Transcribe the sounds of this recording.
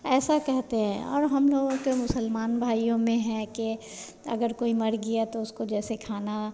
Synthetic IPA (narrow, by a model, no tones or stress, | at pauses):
ɛːsakɛɦt̪eɦɛ̃ɔ̰ːɾɦɐmloːɡõkemʊsəlmaːnbʱaːijõmẽɦɛ̃ke | ɐ̰ɡəɾkoːimɐɾɡijat̪oʊskod͡ʒɛːsekʰaːna